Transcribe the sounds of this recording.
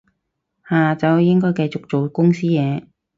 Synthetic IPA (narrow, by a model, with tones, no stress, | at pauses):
haː˨˩t͡sɐ˨wjɪ˥ŋkɔː˥jkɐ˧jt͡sʊ˨k̚t͡ʃo˨wkʊ˥ŋsiː˥jɛː˨˧